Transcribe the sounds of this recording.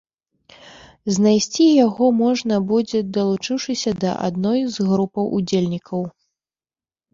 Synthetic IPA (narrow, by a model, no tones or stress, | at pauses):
znajsʲt͡sʲijaɣɔmɔʐnɐbud͡zʲɛd̪ɐlˠut͡ʂɨwʂɨsʲɐd̪ɐ̰ʔa̰d̪̚nɔjzɣɾupɐwʔud͡zʲelʲnʲikʰɐw